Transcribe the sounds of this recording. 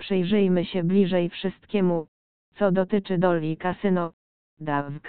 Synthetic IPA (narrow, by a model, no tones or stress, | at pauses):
pʂɘjʐɘjmɘɕɛblʲiʐɛjfʂɘst̪̚kʲɛmu | t̪sɔd̪ɔt̪ɘt͡ʂɘd̪ɔlʲːikasɘnɔ | d̪avɡ